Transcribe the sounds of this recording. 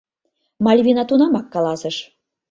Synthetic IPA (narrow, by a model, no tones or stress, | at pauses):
mɑlʲβʲinɑt̪unɑmɑkːɑlɑsə̆ʃ